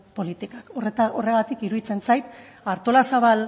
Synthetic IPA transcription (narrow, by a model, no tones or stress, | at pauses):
po̞lit̪ikakoret̪ao̞re̞ɣat̪ikiɾuðit͡se̞nsajt̪aɾt̪o̞lasaβal